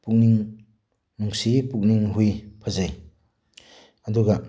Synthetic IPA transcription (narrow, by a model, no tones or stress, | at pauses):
puk̚niŋ | muŋsipuk̚niŋɦujpʰazaj | ɐduɡa